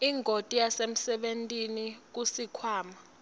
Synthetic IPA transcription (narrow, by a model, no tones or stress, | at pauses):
iŋʱotʼijasem̩sɛɓentʼinik̬usikʰwaːma